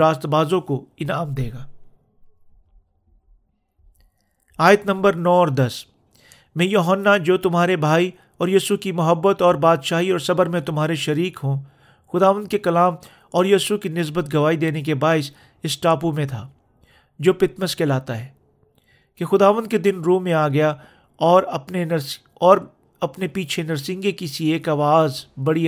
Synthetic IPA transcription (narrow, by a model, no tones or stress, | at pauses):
aːst̪baːzõkoɪnaːmd̪eːɡaː | aːjət̪nɐ̃mbəɾnɔːɔːɾd̪ɐs | mɛ̃joːɦənːad͡ʒoːt̪ʊmɦaːɾebʱaːi | ɔːɾjiːsukimɐɦəbːət̪ɔːɾbaːd̪ʃaːɦiɔːɾsɐbəɾmẽt̪ʊmɦaːɾeʃɐɾiːkɦõ | xʊd̪aːʋə̃nd̪̚kekɐlaːm | ɔːɾjiːsukinɪsbət̪ɡɐʋaːid̪eːnek̬ebaːɪs | ɪsʈaːpumẽt̪ʰa̰ː | d͡ʒoːpɪt̪məskelaːt̪aɦɛː | kexʊd̪aːʋənd̪̚ked̪ɪnɾũːmːẽaːɡɐja | ɔːɾpne | ɔːɾ | ɐpnepiːt͡ʃʰenɐɾsɪ̃ŋɡekisieːkaːʋaːzbɐɽi